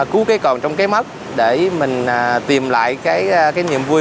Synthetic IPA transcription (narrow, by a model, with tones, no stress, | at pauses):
ku˨˦kaː˨˦jkɔ˨˩nt͡ɕwŋ͡mkaː˨˦jmə˦˥t̚ | ɗe˧˩mï˨˩ŋ̟ː˨˩t̪i˨˩əmla̰ː˧˨jkaː˨˦jkaː˨˦jɲḭ˧˨əmvu˧